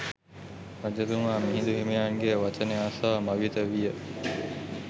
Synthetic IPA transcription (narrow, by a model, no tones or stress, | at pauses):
ʋad͡ʒɐlumaːmiɦind̪uɦemejaːŋɡejəʋat͡ʃəneaːsaːmaʋit̪əʋijə